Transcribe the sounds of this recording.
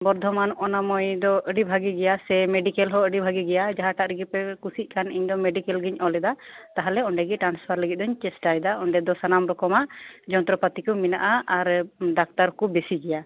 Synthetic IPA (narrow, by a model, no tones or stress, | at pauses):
bɔɾd̪ʱɔmanʔɔnamɔjd̪ɔəɖibʱaɡiɡɛjasɛmeɖikɛlɦɔəɖibʱaɡiɡɛjad͡ʒaɦaʈaʔɾiɡipɛkusit̪̚ˀkaniɲd̪ɔmeɖikɛlɡiɲɔlɛd̪at̪aɦalɛɔɳɖɛɡɛʈɾanspʰaɾləɡit̪̚d̪ɔɲt͡ʃɛsʈajd̪aɔɳɖɛd̪ɔsanamɾɔkɔmaʔd͡ʒɔnt̪ɾɔpat̪ikɔminaʔaaɾɖak̚t̪aɾkɔbesiɡɛja